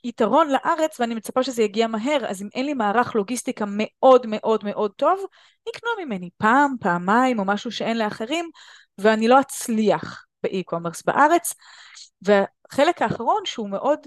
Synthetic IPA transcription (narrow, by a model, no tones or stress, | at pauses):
itaʁo̞nlaʔaʁet͡sveanimet͡sapaʃezejaɡiamaɦeʁa̰zimʔenlimaːʁaχlo̞ɡistikame̞ʔo̞dme̞ʔo̞dme̞ʔo̞d̚to̞v | niknuamime̞nipaːmpaːmaimo̞maʃuʃee̞nleaχeʁim | veanilo̞at͡sliaχ | b̥eʔikʰomeʁsba̰ʔaʁe̞t͡s | vea | χe̞lekhaːχaʁ̞o̞nʃeume̞ʔo̞d